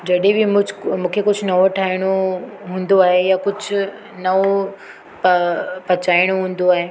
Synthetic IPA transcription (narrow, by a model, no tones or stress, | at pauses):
d͡ʑɐɗebɪm̃mũːkʰekʊd͡ʑʱʊnɐʋoʈʰaːɪɽ̃oɦũːnd̪oaːɦejakʊd͡ʑʱʊ | nɐʋo | ppɐt͡ɕaːɪɽ̃oɦũːn̆d̪oaːɦeː